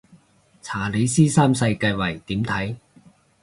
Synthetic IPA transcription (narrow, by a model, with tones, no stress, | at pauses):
t͡sʰaː˨˩le˨˥jsiː˥saː˥msɐ˧jkɐ˧jwɐ˨˩jt̪iː˨˥mt̪ʰɐ˨˥j